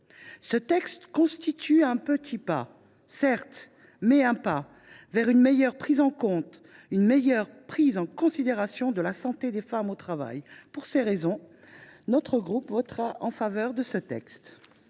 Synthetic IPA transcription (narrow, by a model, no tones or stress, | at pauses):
sət̪ɛkst̪kɔ̃st̪it̪yɛ̃pət̪ʰipa̰ | sɛʁt̪ | mɛɛ̃pa | vɛʁynmejœʁpχizɑ̃kɔ̃t̪ | ynmejœʁpχizɑ̃kɔ̃sid̪eʁasjɔ̃d̪əlasɑ̃t̪ed̪efamot̪χava̰jpuʁseʁezɔ̃ | nɔt̪χəɡʁupvɔt̪χaʔɑ̃favœʁd̪əsət̪ɛ̰kst̪